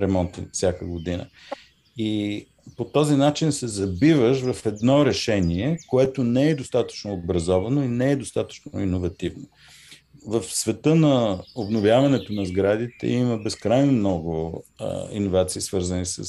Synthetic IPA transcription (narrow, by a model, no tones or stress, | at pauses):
ɾɛmɔnt̪ḭnfsʲjakəɡod̪inə̰ | i | pot̪ɔzinat͡ʃinsɛzɐbivəʃvɐfɛd̪nɔɾɛʃɛniɛkoɛt̪onɛɛd̪ost̪at̪ə̥t͡ʃnoːbɾɐzɔvɐnoinɛɛd̪ost̪at̪ə̥t͡ʃno̰inovɐt̪ivno | vəfsvɛt̪ɤnɐobnovjavɐnɛt̪onɐzɡɾad̪it̪ɛ̰iməbɛskɾajnomnɔɡʊ̰ | ḭnovat̪siːsvɤɾzənisə̰